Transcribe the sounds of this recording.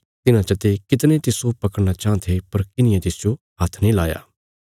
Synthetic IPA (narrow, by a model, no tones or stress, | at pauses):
t̪ɪnãt͡ʃɐt̪ekɪt̪nẽt̪ɪsopɐkəɽñat͡ʃãːt̪ʰepɐɾkɪnɪjãt̪ɪːsd͡ʒo | ɦɐt̪ʰnĩlaːja̰ː